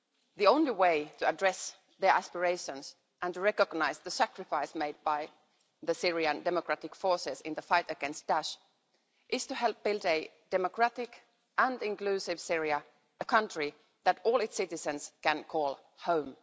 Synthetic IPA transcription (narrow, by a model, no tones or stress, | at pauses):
ðiõʊ̃nliweɪtʰɨədɹɛs | ðə˞ʔæspəɹeɪʃə̃ns | ʔə̃ntɨɹɛkəɡnaɪzðɨsækɹɨfaɪsmeɪd̚baɪ | ðɨsɪɹiɨ̃ndɛməkɹ̥ætɪkfɔɹsɪzɪ̃nðəfaɪtɨɡɛ̃nst̚d̥æʃ | ʔɪz̥tɨɦɛlˠp̚b̥ɪlˠdɨ | d̥ɛməkɹ̥ætɪk | ʔə̃nɪ̃nkl̥ʉsɪv̥sɪɹiə | əkʰʌ̃ntɹ̥i | ðɨɾɔːlˠɪtsɪɾɨzɨ̃nskɨ̃nkʰɔlˠ | hõʊ̃m